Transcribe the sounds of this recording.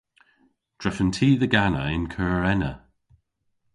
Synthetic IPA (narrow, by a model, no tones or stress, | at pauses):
d̥ɹɛfəntʰiːðəɡanəɪnkʰəːɹɛnə